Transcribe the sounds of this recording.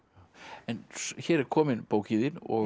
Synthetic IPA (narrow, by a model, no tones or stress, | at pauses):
ɛnsçɛːɾɛɾkʰɔːmɪnpoːwciðɪnɔ